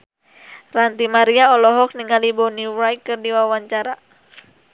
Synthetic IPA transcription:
rant̪imaɾiaɔlɔɦɔk̚niŋalibɔniwɾajkɨrdiwawaɲt͡ʃaɾa

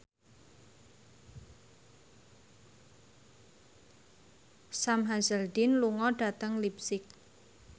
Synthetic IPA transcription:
samɦazəld̪ɪnluŋɔɖ̥a̤t̪əŋlipsɪk̚

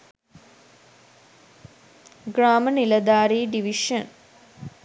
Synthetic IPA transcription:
ɡraːmənilɐd̪aːɾiːɖiʋiʂən

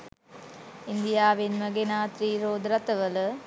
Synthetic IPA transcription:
ind̪ijaːʋinmɐɡenaːt̪ɾiɾoːd̪ɾɐt̪ɐʋɐlɐ

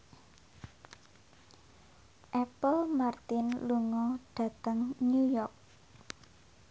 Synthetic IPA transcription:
ʔɛpəlmart̪ɪnluŋɔɖ̥ä̤t̪əŋnujɔrk̚

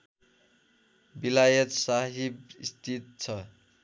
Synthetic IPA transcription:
bilajʌt̪saɦibḭst̪ʰit̪̚t͡sʰʌ

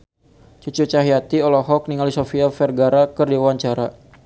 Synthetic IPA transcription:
t͡ʃut͡ʃut͡ʃaɦijat̪iɔlɔɦɔk̚niŋalisofiafɛrɡaɾakərdiwaɲt͡ʃaɾa

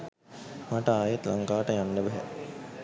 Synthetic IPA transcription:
maʈəaːjet̪laŋkaːʈəjanːəbɛɦɛ̰

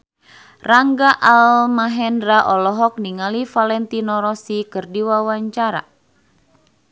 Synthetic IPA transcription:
raŋɡaʔalmaɦɛndɾaʔɔlɔɦɔk̚niŋalifalɛnt̪inɔɾɔsikɨrdiwawaɲt͡ʃaɾa̰

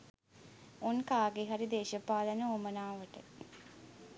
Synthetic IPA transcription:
onkaːɡeɦaɾid̪eːʃəpaːlənəomənaːʋəʈə

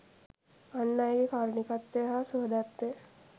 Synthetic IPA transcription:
anːajɡekaːɾnikat̪ːeɦasuɦəd̪at̪ːe

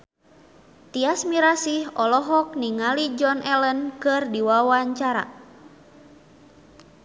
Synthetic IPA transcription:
t̪iasmiɾasihɔlɔɦɔk̚niŋalid͡ʒɔnʔɛlənkɨrdiwawaɲt͡ʃaɾa̰

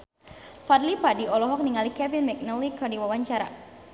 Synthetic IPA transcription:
fadlipadiɔlɔɦɔk̚niŋalikɛvinmɛk̚nəlikɔdiwawaɲt͡ʃaɾa̰

